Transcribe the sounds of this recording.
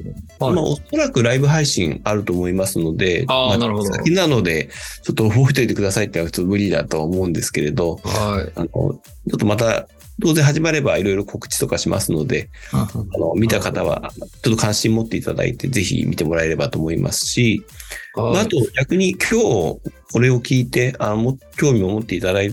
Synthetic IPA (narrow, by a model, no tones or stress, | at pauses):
maʔo̞̰so̞ɾakɯ̟ɾaibɯ̟ɦaiɕĩŋaɾɯ̟t̪o̞ːmo̞imasɨno̞d̪e̞maainano̞d̪e̞t͡ɕo̞t̪ːoɸoɸɯ̟t̪eit̪e̞kɯ̟d̪asait̪ːnaɯ̥t͡sːmɯ̟ɾʲid̪a̰t̪o̞βaomo̞ɯ̟̃nd̪e̞sɨ̥ke̞ɾe̞d̪o̞ano̞̰ | t͡ɕo̞t̪ːo̞mat̪a | d̪o̞ːze̞ɦaʑimaɾe̞baiɾo̞iɾo̞kʰo̞kɯ̟̥t͡ɕi̥t̪o̞kaɕima̰sɨno̞d̪e̞ano̞mʲit̪akat̪aβ̞a̰t͡ɕo̞t̪̬ːo̞kʰãɰ̃ɕĩomot̪ːe̞it̪a̰d̪a̰ḭt̪e̞ze̞çḭmʲit̪e̞mo̞ɾae̞ɾe̞bat̪o̞ːmo̞imʔa̰sɨ̥ɕi | maat̪o̞ɡʲakɯ̟ɲ̟ikʲʰo̞ːko̞ɾe̞o̞kʲiːt̪e̞anomokʲo̞ːmʲio̞mo̞t̪ːe̞it̪ad̪ai